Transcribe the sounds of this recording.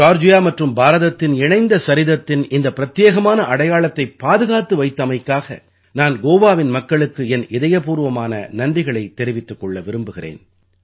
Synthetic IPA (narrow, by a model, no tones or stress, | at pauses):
d͡ʒaːɾd͡ʒʊjaːmɐʈrɯmbaːɾɐðɐt̪ːɪnɪɳɐɪnd̪ɐsɐɾɪðɐt̪ːɪnɪnd̪ɐpɪɾɐt̪jeːɣɐmaːnɐʔɐɽɐjaːɭɐt̪ːɐɪpːaːðɯɣaːt̪ːɯʋɐɪt̪ːɐmɐɪkːaːɣɐ̰ | naːnɡoːʋaːʋɪnmɐkːɐɭɯkːɯɛnɪðɐjɐpuːɾʋɐmaːnɐ̰nɐnrɪɣɐɭɐɪt̪ːɛɾɪʋɪt̪ːɯkːɔɭːɐʋɪɾɯmbɯɣɪrḛːn